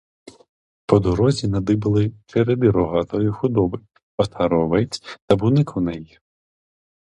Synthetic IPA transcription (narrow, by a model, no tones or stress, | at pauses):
pɔd̪ɔɾɔzʲinɐd̪ɪbɐlˠɪt͡ʃeɾed̪ɪɾɔɦɑt̪ɔjixʊd̪ɔbɪ | ɐt̪ʰɐɾɔʋɛt͡sʲt̪ɐbunɪkunɛji